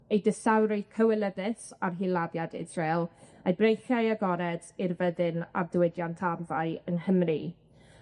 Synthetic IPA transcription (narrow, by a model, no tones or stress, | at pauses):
ejdɪsawɾɪkʰəwɛlˠəðɨθarɦilˠadjadɪ̰zralˠajbrejχjajaɡɔɾɛdirvəðɪna̰rdwɪdjantʰarvaɨənhəmri